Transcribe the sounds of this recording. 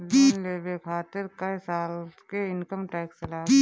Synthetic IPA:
leːbekʰaːt̪ɪɾkɐjsaːlkeɪnkəmʈɛːksɐlaː

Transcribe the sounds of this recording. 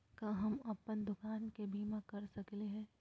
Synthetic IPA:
kaɦɐmɐpːənd̪ʊkaːnkebʱiːmãkɐɾsɐkleɦɛ̃ː

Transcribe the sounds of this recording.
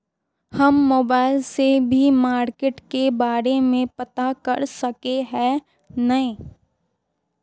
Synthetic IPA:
hɐmːoːbaːɪlsebʱimaːɾkeːʈkebaːɾemẽpɐt̪akɐɾsɐkeɦɛ̃ | nɐɦĩː

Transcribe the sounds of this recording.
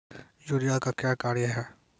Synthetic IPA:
juːɾijakakjaːkaːɾjəɦɛː

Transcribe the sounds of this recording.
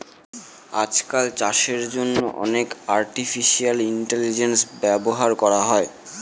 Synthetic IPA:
a̰d͡ʑkalt͡ɕaʃeɾd͡ʑonːoʔɔ̰nekaɾʈifʰiʃialiɳʈelid͡ʑensbɛboɦaɾkɔɾaɦɔe

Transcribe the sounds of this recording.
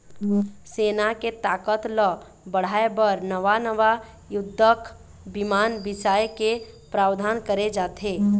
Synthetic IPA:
seːnaket̪aːkət̪lə | bəɽ̤aːebəɾnəʋanəʋa | jʊd̪ʱːək | bɪmaːnbɪsaːjke | pɾaːwd̪ʱaːnkəɾed͡ʒaːt̪eː

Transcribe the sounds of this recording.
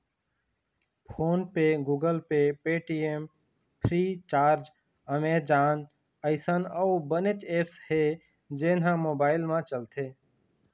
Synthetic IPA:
pʰoːnpeɡuːɡəlpepeːʈiːem | pʰɾiːt͡ʃaːɾd͡ʒ | əmeːd͡ʒaːn | əɪsənəwbənet͡ʃeːpshe | d͡ʒeːnɦãmoːbaːɪlmãt͡ʃəlt̪ʰeː

